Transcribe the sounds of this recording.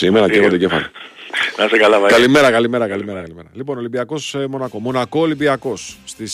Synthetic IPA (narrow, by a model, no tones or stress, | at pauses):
simeɾɐevod̪ecefɐ̰lonɐsekɐlɐkɐlime̞ɾɐkɐlime̞ɾɐkɐlimeɾɐkɐlimeɾɐ̰lipo̞nolibiɐko̞smonɐko̞mo̞nɐko̞ːlibiɐko̞sːt̪is